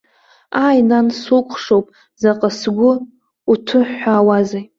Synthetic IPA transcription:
ajnansukʷʰʂowpʼ | zaqʼəsɡʷʊ | utʰɨħaːwaza

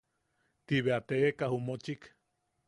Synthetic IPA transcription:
t̪iβeat̪eʔekahumot͡ʃik

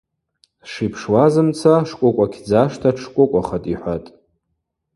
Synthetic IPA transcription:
ʂipʰʂwazɨmt͡sʰaʂkʷʼʊkʷʼakʲʰd͡zaʂtʰaʈ͡ʂʰkʷʼʊkʷʼaχatʼiħʷatʼ

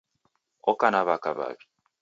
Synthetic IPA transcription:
okanaβakaβa̰βi̥

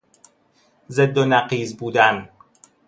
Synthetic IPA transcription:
zed̪ːonæqiːzbuːd̪æn

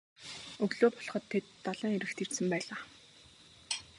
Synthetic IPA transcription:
ɵɣɮoːpɔ̥ɮχɞ̆t̪ʰːet̪ːaɮăːŋeɾɘ̆xt̪ʰir̥t̪sɘ̆mpæːɮaː

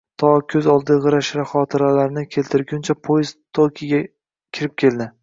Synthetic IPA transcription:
t̪ʰɒkʲʰɵzɒlˠd̪ɪʁɨɾaʃɾaχɒt̪ʰɪɾalaɾnɪkʲʰe̞lt̪ʰɪɾɡʲʊnt͡ʃʰapʰojɪz̥t̪ʰokʲʰɪɡʲa | kʲʰɪɾɪp̚kʲʰe̞ld̪ɪ

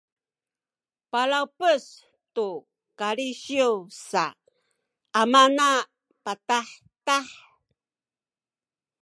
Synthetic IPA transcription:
palawpəs | tu | kaɾiɕiuwsa̰ | mana | pataħ | taħ

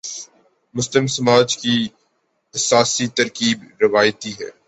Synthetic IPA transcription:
mʊslɪmsɐmaːd͡ʒki | ɪsaːsit̪ɐɾkiːbɾɪʋaːjt̪iɦɛ̰ː

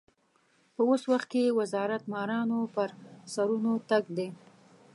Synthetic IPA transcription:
pəoswaxt̪̚kewazɑɾat̪mɑɾɑnopəɾsaɾunot̪aɡd̪e

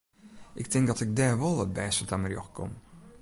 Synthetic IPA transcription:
ʔɪk̚tɪŋk̚dɔtɪk̚dɛːɹʋolˠət̚bɛːsətamərjɔ̰xkʰɔ̰m

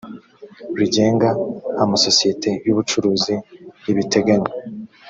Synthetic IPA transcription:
ɾiɟe̞ːŋɡaamaso̞sije̞te̞juβut͡ʃuɾuːziiβite̞ɡaɲe

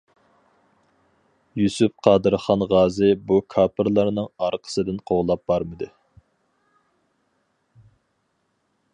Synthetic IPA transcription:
jusyp̚qʰɑːd̪ɨɾχɑnʁɑːzɨbukʰɑːpʰɨɾlˠɑɾnɨŋɑɾqʰə̥sɨd̪ɪnqʰoʁlˠɑp̚bɑɾmɨd̪ɨ

